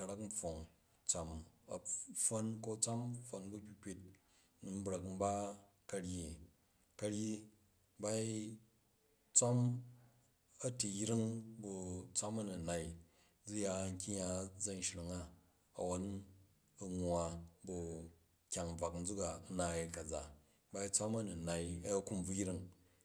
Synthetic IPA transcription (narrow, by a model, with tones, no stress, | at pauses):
a˧ɾa˦km̩˦ɸo˨ŋ | t͡sʷa˨mɐ˨ɸo˦nko˦t͡sʷa˦mfo˧nbu˦kʲi˦k͡pʲi˧t̚ | nu˨m̩˦bɾa˨km̩˦ba˦ | kɐ˧ɽji˨ | kɐ˧ɾji˦ | ba˦i˦ | t͡sʷa˦m | ɐ˦ti˨jɾi˦ŋbu˧t͡sʷa˦mɐ˦nu˨na˨i˦˨ | d͡zu˦ja˧˨ŋ̩˦kʲi˦ja˨˦d͡za˦n˨ʃɾi˨ŋa˦ | ɐ˨wo˦n˦ | ɐ˨ŋwa˨bu˧ | kʲa˨ŋ˨b͡va˨kn̩˦d͡zu˦ka˨˦na˨i˨kɐ˨d͡za˨ | ba˧i˦t͡sʷa˦mɐ˦nu˨na˨i˦ku˦mb͡vu˦jɾi˦ŋ